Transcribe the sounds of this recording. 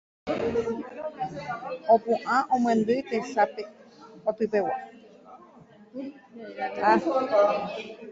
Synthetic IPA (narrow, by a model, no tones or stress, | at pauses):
õpũʔãʔõmwẽnd̪ɨt̪eʃapeot̪ɨpewa | a